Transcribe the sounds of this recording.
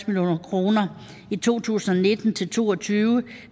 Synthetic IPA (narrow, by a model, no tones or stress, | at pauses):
smiljo̝̰ːnɐkʰʁo̝ːnɐ | it͡sʰo̝̰ːt͡sʰṵːsn̩ɒ̽ne̝d̥n̩t͡sʰe̝lt͡sʰo̝̰ːɒt͡sʰyːʊə